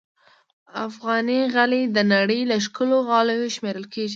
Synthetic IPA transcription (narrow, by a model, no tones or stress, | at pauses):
afɣɑniɣaled̪ənaɽəjlaʃkəloɣɑlojoʃmeɾəlkeʒi